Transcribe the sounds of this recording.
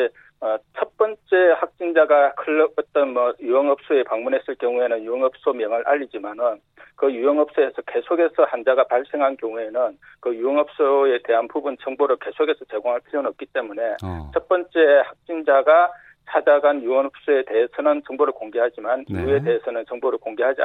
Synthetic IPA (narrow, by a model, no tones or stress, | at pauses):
e | ʌt͡ɕʰʌt̚p͈ʌnt͡ɕ͈e̞hak̚t͡ɕ͈ind͡ʑaɡakʰɯɭːʌʌt̚t͈ʌnmʌjuwʌŋɦʌp̚s͈oe̞paŋmunɦe̞s͈ɯɭk͈jʌŋue̞nɯnjuʌŋɦʌp̚s͈omjʌŋɯɭʔa̰ʎːid͡ʑimanɯn | kɯjuʌŋɦʌp̚s͈oe̞sʰʌke̞sʰoɡe̞sʰʌhand͡ʑaɡapaɭs͈e̞ŋɦankjʌŋue̞nɯnkɯjuʌŋɦʌp̚s͈oe̞te̞ɦanpubunt͡ɕʌŋboɾɯɭke̞sʰoɡe̞sʰʌt͡ɕe̞ɡoŋɦaɭpʰiʎjonʌp̚k͈it͈e̞mune̞t͡ɕʰʌp͈ʌnt͡ɕ͈e̞hak̚t͡ɕ͈ind͡ʑaɡa | t͡ɕʰad͡ʑaɡanjuwʌŋɦʌp̚s͈ue̞te̞ɦesʰʌnɯnt͡ɕʌŋboɾɯɭkoŋɡeɦad͡ʑimanibue̞te̞ɦesʰʌnɯnt͡ɕʌŋboɾɯɭkoŋɡeɦad͡ʑia̰